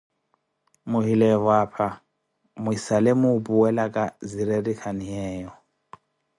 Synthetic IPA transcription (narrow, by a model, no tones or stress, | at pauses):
muɦilɛβwapʰa | muisalemupuwɛlakʼaziɾeɾikʰaniɦɛːjɔ